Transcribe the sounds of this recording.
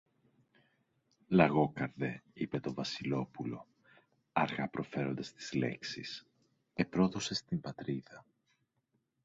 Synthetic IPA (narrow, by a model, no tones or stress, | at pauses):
lɐɣo̞kɐɾðe̞ipe̞t̪o̞vɐsilo̞pulo̞ | ɐɾɣɐpɾo̞fe̞ɾo̞nd̪ɐst̪i̥z̥le̞̰ksḭs | e̞pɾo̞ðo̞se̞st̪imbɐt̪ɾiðɐ